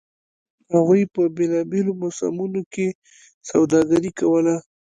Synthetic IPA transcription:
haɣujpəbelɑbelomasa̰munoke | sawd̪ɑɡaɾikawəla

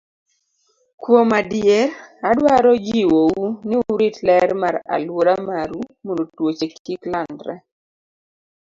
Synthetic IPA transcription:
kwomadijɛɾadwaɾɔd͡ʒiwowunɪɾitlɛɾmaɾa̰lwoɾamaɾumondotwot͡ʃekːiklandɾɛ̰

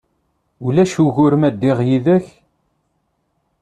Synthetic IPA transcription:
ulæʃuɣʊɾmæd̪ːiʁjiðæç

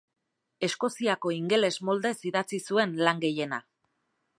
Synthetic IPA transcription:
e̞sko̞siako̞iŋɡe̞le̞zmo̞ld̪e̞siðat͡sisue̞nlaŋɡe̞je̞na

